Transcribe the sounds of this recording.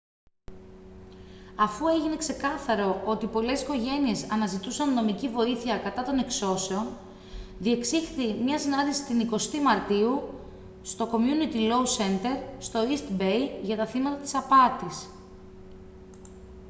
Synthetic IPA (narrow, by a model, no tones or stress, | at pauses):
ɐfue̞ʝine̞kse̞kɐθɐɾo̞o̞t̪ipo̞le̞si̥ko̞ʝe̞nie̞sɐnɐzit̪usɐnːo̞micivo̞iθiɐkɐt̪ɐt̪o̞ne̞kso̞se̞o̞n | ðie̞ksixθimɲɐsinɐnd̪isi̥t̪iniko̞st̪imɐɾt̪iu | st̪o̞ko̞mjunit̪ilo̞use̞nt̪e̞ɾst̪o̞ist̪bejʝɐt̪ɐθimɐt̪ɐt̪i̥sɐpɐt̪is